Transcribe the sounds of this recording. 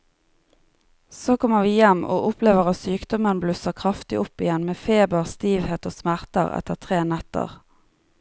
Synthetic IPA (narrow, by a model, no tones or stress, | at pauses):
soːkʰɔməʋiːjɛmo̰ːʔʊpleːʋəʁɑt̪syːkd̪ɔmənblʉsəʁkʰʁɑft̪ɪʔʊpːɪjɛnmeːfeːbəʁst̪iːʋheːt̪oːsmæʁt̪ə̰ʁɛ̰t̪əʁt̪ʰʁeːnɛt̪ə̰ʁ